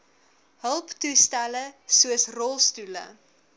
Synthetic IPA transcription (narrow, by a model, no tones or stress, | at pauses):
ɦəlˠptustæləsuəsrɔlˠstulə̰